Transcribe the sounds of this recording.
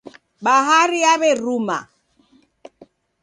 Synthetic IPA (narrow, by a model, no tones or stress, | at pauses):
ɓaɦaɾiaβɛruma̰